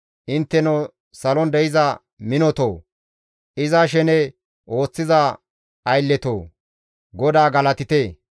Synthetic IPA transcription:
ʔɪnt̪ːɛno | sɐlɔnd̪ɛjɪzɐ | mɪnɔt̪oː | ʔɪzaːʃ̬ɛnɛ | ʔo̞ːt͡sːɪza | ɐjlːɛt̪oː | ɡɔd̪aːɡɐlɐt̪ɪt̪eː

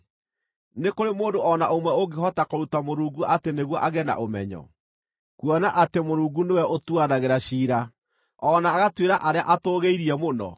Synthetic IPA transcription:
nekoɾemoːndoɔnaʔomwɛoɡeɦɔtakoɾutamoɾuːɡuʔateneɣwɔʔaɣɛna̰ʔomɛ̰ɲɔ̰ | kwɔnaʔatemoɾuːɡunewɛotuanaɣeɾaɕiːɾa | ɔnaːɣatweɾaʔaɾeaʔatoːɣeiɾiɛmonɔ̰

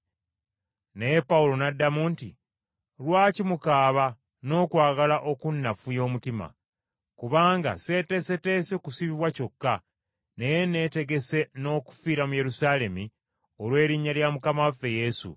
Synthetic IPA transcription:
nepaulo̞nadːamuːntḭ | lwaːcimukaːβa | no̞ːkwaːɡalaʔo̞kunːafujo̞ːmutima̰ | kuβaːŋɡa̰se̞te̞se̞te̞ːse̞kusiβiβwaco̞kːa | ne̞jene̞ːte̞ɡe̞se̞no̞ːku̥fiːɾamuje̞ɾusaːle̞mi | olwe̞ːɾiɲːaljamukamawafːe̞je̞sṵ

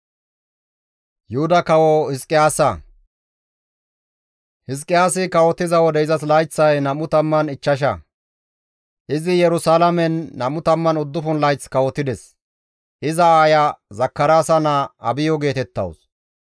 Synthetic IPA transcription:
jʊhʊd̪ɐkɐwɔhɪskʼːɪjaːsɐ | hɪs̬kʼːɪjaːsɪkɐwɔt̪ːɪzɐwɔd̪ɛɪzɐs̬lɐjt͡sːɐjnɐmʊt̪ɐmːɐnɪt͡ʃːɐʃ̬ɐ̰ | ʔɪzɪjɛɾʊsaːlɐmɛnːɐmʊt̪ɐmːɐnʊd̪ːʊfʊnlɐjt͡skɐwɔt̪ːɪd̪ɛs | ʔɪzɐaːjɐzɐkːɐɾaːsɐnɐɐbɪjɔɡe̞ːt̪ɛt̪ːɐ̰ws

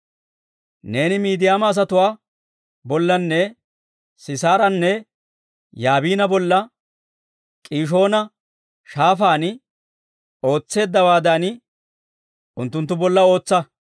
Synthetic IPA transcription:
ne̞ːnɪmiːd̪ɪjaːmɐːs̬ɐt̪ʊwaː | bɔlːɐnːɛ | sɪsaːɾɐnːɛ | jaːbiːnɐbɔlːɐ | kʼiːʃ̬o̞ːnɐ | ʃaːfaːn | o̞ːt͡sːe̞ːd̪ːɐwaːd̪aːn | ʊnt̪ːʊnt̪ːʊbɔlːɐo̞ːt͡sːɐ

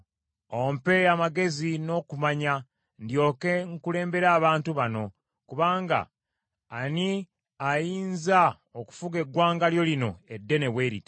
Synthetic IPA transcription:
ompe̞amaɡe̞zino̞ːkumaɲa | ndjo̞ːke̞ŋkule̞ːmbe̞ɾaːβaːntuβano̞ | kuβaːŋɡa̰ː | ni | ajiːnza | oku̥fuɡe̞ɡːwaːŋɡaljo̞lino̞edːe̞neβweɾḭt

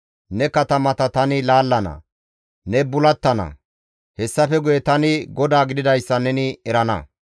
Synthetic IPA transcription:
nɛkɐt̪ɐmɐt̪ɐt̪ɐnɪlaːlːɐnɐ̰ | nɛbʊlɐt̪ːɐnɐ̰ | hɛsːɐfɛɡʊjɛt̪ɐnɪɡɔd̪aːɡɪd̪ɪd̪ɐjsːɐnɛnɪɛɾɐnɐ̰

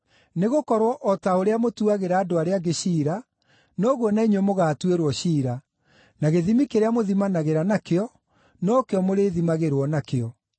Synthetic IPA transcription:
neɣokɔɾwɔʔɔtaoɾeamotuaɣeɾaːdoaɾeaɡeɕiːɾa | nɔɣwɔnaiɲwemoɣaːtweɾwɔɕiːɾa | naɣeðimikeɾeamoðimanaɣeɾanakeɔ | nɔːkeɔmoɾeːðimaɣeɾwɔnakeɔ

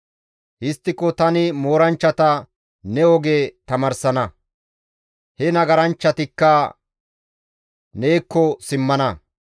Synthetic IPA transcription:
hɪst̪ːɪkɔt̪ɐnɪmo̞ːɾɐnt͡ʃːɐt̪ɐ | nɛɔɡeːt̪ɐmɐɾsɐnɐ | hɛnɐɡɐɾɐnt͡ʃːɐt̪ɪkːɐ | ne̞ːkːɔsɪmːɐnɐ

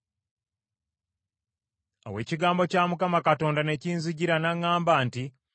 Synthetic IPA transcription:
a̰we̞ːciɡaːmbo̞caːmukamakato̞ːndane̞ciːnziɟiɾanaŋːaːmbaːnti

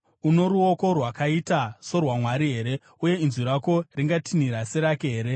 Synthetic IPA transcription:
uno̞ɾuo̞ko̞rwakaitaso̞rwamwaɾiɦe̞ːɾe̞ | uje̞inziɾako̞riŋɡatʰiniɾase̞ɾakeɦeːɾe̞

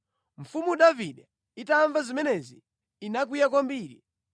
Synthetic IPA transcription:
ɱ̩fumuɗaviɗɛ | itaːɱvazimɛnɛziː | nak̬ujakɔmbiːɾi

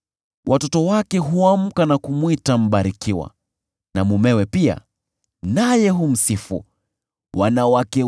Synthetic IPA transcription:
wʔatɔtɔwakɛɦuam̩kanakumwitam̩ɓaɾikiwa̰ | namumɛwɛpia̰ | najɛɦum̩sifṵ | wanawakɛ

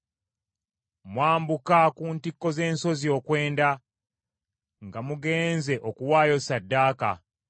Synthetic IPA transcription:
mwaːmbukakuːntikːo̞ze̞ːnso̞zio̞kwe̞ːnda | ŋɡamuɡe̞ːnze̞ʔokuwaːjo̞sadːaːka̰

